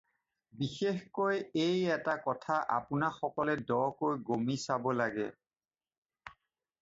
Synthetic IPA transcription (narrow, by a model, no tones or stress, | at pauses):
bixexkojejɛtakɔtʰaʔa̰pʊnaxɔkɔlɛdɔɹkojɡomisabɔlaɡɛ̰